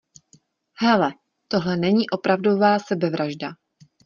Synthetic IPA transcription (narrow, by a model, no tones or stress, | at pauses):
hɛlɛ | t̪o̞ɦlɛnɛɲiːʔo̞pɾavdo̞vaːsɛbɛvɾaʒda